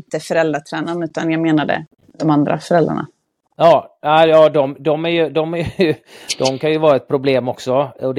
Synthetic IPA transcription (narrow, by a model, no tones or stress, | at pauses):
nt̪əfœɾɛld̪ɾaʈ̪ʰɾɛːnanʉ̟ːt̪anjɑːɡmeːnad̪ə̰ | d̪̥ɔmand̪ɾʔa̰fœɾɛld̪ɾa̰ɳa̰ | jɑːnæɪjɑːd̪ɔmd̪ɔmæɾjɵd̪ɔmæjjɵd̪̥ɔmkʰanjɵvɑːɾaɛt̪̚pʰɾʊbleːmɔksɔɔd̪